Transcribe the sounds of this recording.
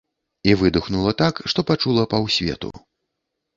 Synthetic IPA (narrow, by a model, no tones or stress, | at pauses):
ivɨd̪uxnulˠɐt̪akʂt̪ɔpat͡ʂulˠɐpɐwsʲvʲɛ̰t̪ṵ